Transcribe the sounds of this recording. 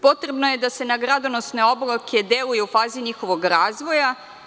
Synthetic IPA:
po̞t̪ɾe̞bnoje̞d̪ase̞naɡɾad̪onosne̞oblˠakʰed̪elujeufaːziɲixo̞ʋo̞ɡɾaːzʋo̞ja

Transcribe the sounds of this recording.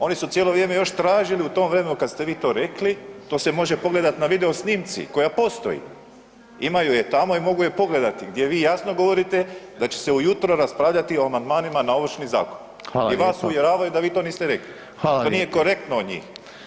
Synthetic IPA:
o̞nisut̪jelo̞ʋɾjeːme̞jo̞ʃt̪ɾaːʒiliut̪o̞ːmʋɾe̞menukad̪st̪e̞ʋiːt̪o̞ːɾe̞klit̪o̞ːse̞mo̞ʒe̞po̞ɡled̪at̪naʋid̪eo̞sniːmt̪sḭko̞japo̞st̪o̞̰jḭ | imajuje̞t̪amo̞imo̞ɡuje̞po̞ɡle̞d̪at̪iɡd̪je̞ʋiːjasnoɡo̞ʋo̞ɾit̪e̞d̪at͡ɕe̞̥se̞ujut̪ɾoɾaspɾaːʋʎat̪io̞amand̪maːnimanao̞ʋr̩ʃniza̰ːkon | aiʋaːsuʋje̞ɾaːʋajud̪aʋiːt̪oniːst̪eɾekli | tonijeko̞ɾe̞k̚t̪nood̪ɲḭːx

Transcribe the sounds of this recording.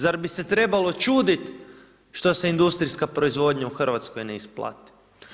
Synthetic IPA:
zaɾbise̞t̪ɾe̞balˠo̞t͡ʃuːd̪it̪ | ʃt̪o̞seind̪ust̪ɾijskapɾo̞izʋo̞d̪ɲauxr̩ʋat̪skojneisplˠa̰t̪i̥

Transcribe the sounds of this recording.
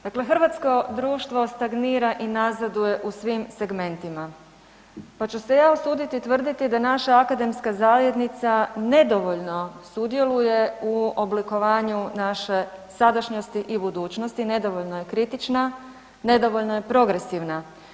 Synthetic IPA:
d̪akle̞xr̩ʋat̪sko̞d̪ɾuːʃt̪ʋo̞st̪aɡniːɾaʔinazad̪uje̞ʔusʋimse̞ɡme̞nt̪ima | pat͡ɕuse̞jaːosuːd̪it̪it̪ʋr̩d̪it̪id̪anaʃaːkad̪e̞mskazaːʋje̞d̪nit̪sane̞d̪o̞ʋo̞ʎno̞sud̪je̞luje̞uobliko̞ʋaːɲunaʃe̞sad̪aʃɲo̞st̪iʔibud̪uːt͡ɕnost̪ine̞d̪o̞ʋo̞ʎnoje̞kɾit̪it͡ʃna | ne̞d̪o̞ʋo̞ʎno̞je̞pɾo̞ɡɾe̞siʋna

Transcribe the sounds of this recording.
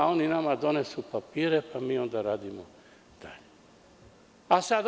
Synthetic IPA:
ao̞ninamad̪o̞nesupapiːɾepamiːo̞nd̪aɾaːd̪imo | d̪̥aʎe | asad̪

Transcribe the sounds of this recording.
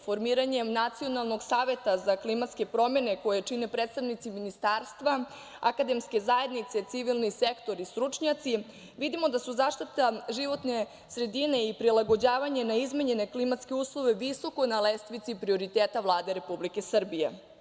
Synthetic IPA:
fo̞ɾmiːɾaɲe̞nat̪sio̞nalˠnoɡsaːʋe̞t̪azaklimat̪ske̞pɾo̞me̞ne̞ko̞jet͡ʃine̞pɾet̪st̪aʋnit̪siminist̪aːɾst̪ʋa | akad̪emske̞zae̞d̪nit̪se̞t̪siʋilˠnise̞kt̪o̞ɾist̪ɾut͡ʃɲat̪si | ʋid̪imo̞d̪asuzaːʃt̪it̪aʒiʋo̞t̪ne̞ | sɾe̞d̪ine̞ipɾilˠaɡo̞d͡ʑaːʋaɲe̞naizmeɲe̞ne̞klimat̪ske̞uːslˠoʋe̞ʋiso̞kojnalest̪ʋit̪sipɾio̞ɾit̪eːt̪aʋlˠaːd̪e̞ɾe̞publike̞sr̩bijḛ

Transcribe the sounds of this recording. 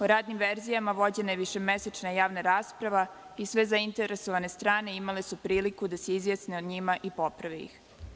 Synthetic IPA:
oɾaːd̪nimʋeɾzijamaʋo̞d͡ʑe̞najeʋiʃe̞meset͡ʃnajaːʋnaɾaːspɾaʋa | isʋe̞zaint̪e̞ɾesoʋane̞st̪ɾaːne̞imale̞supɾiːlikud̪aseizjesneod̪ɲimaʔipo̞pɾaʋijḭx

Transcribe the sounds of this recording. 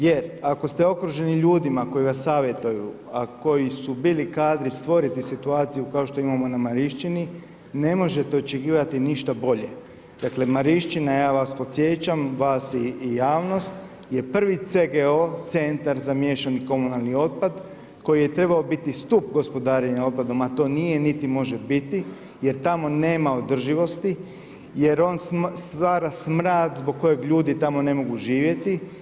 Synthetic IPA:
jeɾako̞st̪eo̞kɾuʒe̞niʎuːd̪imako̞jiʋasːaːʋje̞t̪uju | ako̞jisubiːlikaːd̪ɾist̪ʋo̞ɾit̪isit̪uaːt̪sijukao̞ʃt̪o̞imamo̞namaɾiʃt͡ʃini | ne̞mo̞ʒe̞t̪eo̞t͡ʃekiːʋat̪iniʃt̪abo̞ʎe | d̪̥akle̞maɾiʃt͡ʃinajaːʋaspo̞t̪sʲje̞t͡ɕamʋaːsiːjaːʋno̞st̪ | je̞pr̩ʋit̪seɡeot̪se̞nt̪aɾzamjeʃaniko̞munalˠnio̞t̪̚pad̪ | ko̞jije̞t̪ɾe̞baobit̪ist̪up̚ɡo̞spo̞d̪aːɾeɲao̞t̪̚pad̪o̞mat̪o̞ːnijenit̪imo̞ʒe̞bit̪i | je̞ɾt̪amo̞ne̞ːmao̞d̪r̩ʒiʋo̞st̪i | je̞ɾo̞nsst̪ʋaːɾasmɾaːt̪zbo̞ɡ̚kːo̞je̞ɡʎuːd̪it̪amo̞ne̞mo̞ɡuʒiːʋje̞t̪i

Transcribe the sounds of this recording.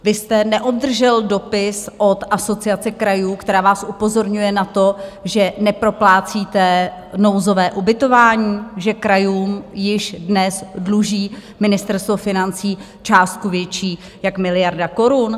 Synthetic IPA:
vɪst̪ɛnɛʔod̚d̪r̩ʒɛldo̞pɪsʔo̞t̪ʔaso̞t͡sɪat͡sɛkɾajuːkt̪ɛɾaːvaːsʔupo̞zo̞ɾɲujɛnat̪o̞ʒɛnɛpɾo̞plaːt͡siːt̪ɛno̞wzo̞vɛːʔubɪt̪o̞vaːɲiːʒɛkɾajuːmjɪʃdnɛsdluʒiː | mɪnɪst̪ɛɾst̪vo̞fɪnant͡siː | t͡ʃaːst̪̚kuvjɛt͡ʃiː | jakmɪlɪjaɾdako̞ɾun

